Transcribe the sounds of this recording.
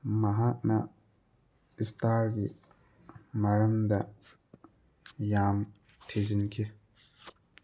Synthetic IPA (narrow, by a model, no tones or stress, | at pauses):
maɦaʔna | ɪst̪aːɾɡḭ | maɾɐmd̪a | jaːmtʰezinkʰi